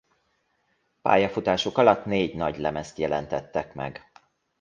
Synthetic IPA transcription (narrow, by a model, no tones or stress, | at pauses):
pa̰ːjɒfut̪aːʃokɒlɒt̪neːɟnɒɟlɛmɛst̪jɛlɛnt̪ɛt̪ːɛkmɛ̰ɡ